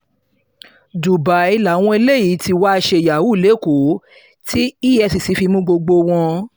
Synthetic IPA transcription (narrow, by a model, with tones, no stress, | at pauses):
du˨ba˨˦i˧la˨˦w̃ɔ̃˧e˧le˦ji˨˦ti˧wa˦˧ʃe˧˨ja˨wu˦˨le˨˦˨ko˨˦ | tʰi˦i˦ɛ˧si˨si˧˦fi˧mũ˦ɡ͡bo˧ɡ͡bo˧w̃ɔ̃˧